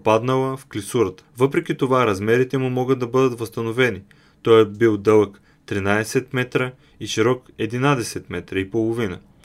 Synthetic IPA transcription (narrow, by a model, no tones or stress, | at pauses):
pad̪nəlˠəfklisuɾət̪ə̥vɤpɾɛk̟ʲit̪ovaɾɐzmɛɾit̪ɛmumɔɡəd̪̚d̪ɐbɤd̪ət̪vɐst̪ɐnovɛni | t̪ɔjɛbilˠd̪ɤlˠək | t̪ɾinad̪ɛsɛt̪mɛt̪ɾə | iʃiɾɔkɛd̪inad̪ɛsɛt̪mɛt̪ɾəipolˠovinə̰